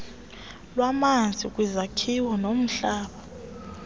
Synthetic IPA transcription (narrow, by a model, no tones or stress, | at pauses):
lwamand͡zʱʼik̬ʼwizakʰiwɔnom̩ɬaːɓa